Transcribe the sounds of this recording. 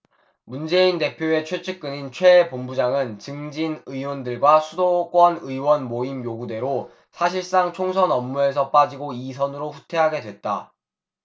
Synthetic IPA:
mund͡ʑe̞inte̞pʰjoe̞t͡ɕʰwe̞t͡ɕʰɯk̚k͈ɯnint͡ɕʰwe̞ːpombud͡ʑaŋɯnt͡ɕɯŋd͡ʑinɯiwʌndɯɭɡwasʰudok͈wʌnɯiwʌnmoimjoɡude̞ɾo | sʰaɕʰiɭs͈aŋt͡ɕʰoŋsʰʌnʌmːue̞s̬ʰʌp͈ad͡ʑiɡoisʰʌnɯɾoɸutʰe̞ɦaɡe̞dwe̞t̚t͈a̰

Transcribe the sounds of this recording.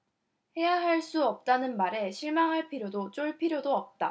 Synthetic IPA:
he̞jaɦaɭs͈uʌp̚t͈anɯnmaɾe̞ɕʰiɭmaŋɦaɭpʰiɾjodot͡ɕ͈oɭpʰiɾjodoʌp̚t͈a

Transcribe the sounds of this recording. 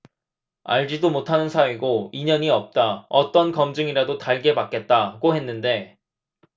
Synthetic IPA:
a̰ɭd͡ʑidomotʰanɯnsʰaweɡoiɲʌɲiʌp̚t͈aʌt͈ʌnkʌmd͡ʑɯŋiɾadotaɭɡe̞bak͈e̞t̚t͈aɡoɦe̞nːɯnde̞

